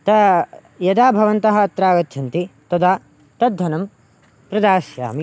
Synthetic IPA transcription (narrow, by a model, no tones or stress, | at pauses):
t̪ɐ | jɐd̪aːbʱɐʋɐnt̪ɐɦɐ̆ːt̪ɾaːɡɐt̪t͡ʃʰɐnt̪it̪ɐd̪aː | t̪ɐd̪ʱːɐnɐm | pɾɐd̪aːsja̰ːmi